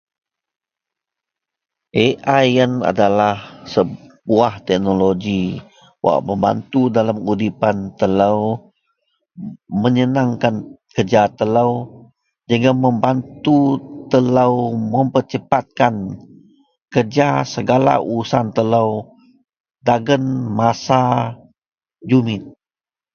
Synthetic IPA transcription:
ʔeʔajəna̰dalahsəbuaht̪ɛk̚noloɡi | wʔa̰ʔməmba̰nt̪udalamudipant̪əlaw | məɲənaŋkankərd͡ʒat̪əlaw | d͡ʒəŋɡaməmbant̪ut̪əlawməmpərt͡ʃəpat̪̚kan | kərd͡ʒasəɡala̰uɾusant̪əlaw | daɡənmasa | d͡ʒumɪn

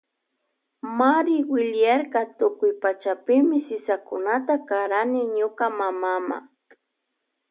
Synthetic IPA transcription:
maɾɪwɪʎjaɾkat̪ʊkʊjpat͡ʃapɪmɪsɪsakʊnat̪akaɾanɪɲʊkamamama̰

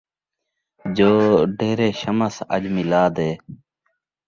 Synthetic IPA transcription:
d͡ʒoːɖeːɾeːʃəməsə̰d͡ʒmilaːd̪eː

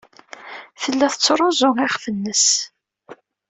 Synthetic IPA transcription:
θəlːæθət͡sːɾˤozˤʊʁɪχfənːəs

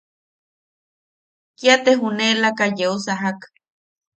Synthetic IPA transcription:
kiat̪eɦunelakajeusaɦak

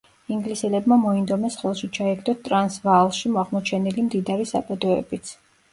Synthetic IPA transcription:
iŋɡlisɛlɛbmamɔind̪ɔmɛsχɛlˠʃit͡ʃʰaɛɡʰd̪ɔt̪ʼɾansvalˠʃimɔaʁmɔt͡ʃʰɛnilimd̪id̪aɾisa̰pʼɛd̪ɔɛ̰bit̪sʰ

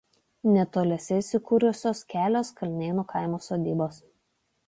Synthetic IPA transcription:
nʲɛt̪oːlʲɛsʲɛɪsʲɪkuːɾʲʊsʲoːskʲæːlʲoːskɐlʲnʲeːnuːkʰaɪmoːsoːd̪ʲiːboːs

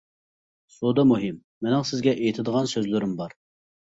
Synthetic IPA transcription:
sod̪ɑmuɦɪmːɪnɪŋsɪzɡʲɛʔejit̪ʰɪd̪əʁɑnsøzlɪɾɪmbɑɾ

